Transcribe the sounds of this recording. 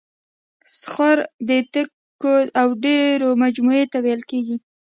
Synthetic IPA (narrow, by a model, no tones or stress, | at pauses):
sxaɾd̪ət̪ə | oawɖeɾomad͡ʒmuet̪awajlkeɡi